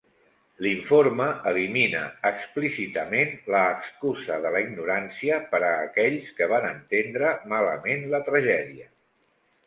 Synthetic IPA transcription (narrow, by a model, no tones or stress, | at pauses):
liɱfoɾməəliminə̰ːksplisit̪əmenləːkskuzəðələiɡnuɾansiəpəɾəːkɛʎskəβ̞anənt̪end̪ɾəmaləmenlət̪ɾəʒɛðiə